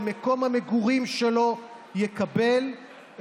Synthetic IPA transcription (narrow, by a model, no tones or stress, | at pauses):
meko̞mhameɡuʁimʃelo̞ | jekabe̞l